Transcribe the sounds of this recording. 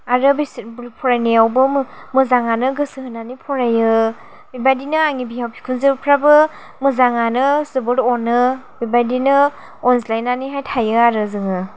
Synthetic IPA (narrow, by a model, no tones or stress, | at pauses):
aɾɯbisbpʰɔɾajniawbɯmmɯzaŋanɯɡɯsɯɦɯnanipʰɔɾajɯ | bibajdinɯaŋibijawpʰi̥kʰunzibpʰɾabɯ | mɯzaŋanɯzɯbɯɾɔnɯ | bibajdinɯ | ɔnslajnaniɦajtʰajɯaɾɯzɯŋɯ